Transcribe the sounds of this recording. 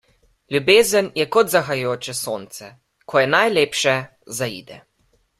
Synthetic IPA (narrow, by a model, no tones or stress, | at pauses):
lʲjubeːzənjɛkɔd̪zaxajoːt͡ʃɛsoːnt̪sɛ | kʰɔjɛnajleːpʃɛ | zaḭd̪ɛ̰